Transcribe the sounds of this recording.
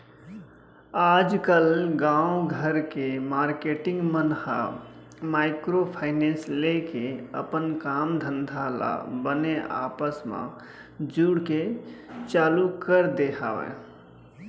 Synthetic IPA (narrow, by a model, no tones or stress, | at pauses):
ad͡ʒkəlɡãuɡʱəɾkemaɾkeʈɪ̃ŋɡmənha̰ | maɪkɾopʰaɪnẽnslekeə̰pənkamd̪ʱənd̪ʱala̰bəneʔa̰pəsmã̰ | d͡ʒuɽket͡ʃaːlukəɾd̪eɦʰa̰wɛ̰̃